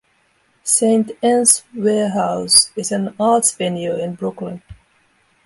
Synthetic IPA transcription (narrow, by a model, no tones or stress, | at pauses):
sẽɪ̃ntɛ̃nswɛɦaʊsɪzɨ̃nɑɹtsvɛ̃njəɪ̃nbɹʊklə̃n